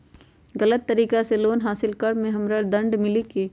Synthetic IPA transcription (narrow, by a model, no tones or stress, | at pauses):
ɣɐlət̪ːɐɾiːkaseloːnɦaːsɪlkɐɾmẽɦɐmɾəd̪ɐ̃ɳɖmɪlikeː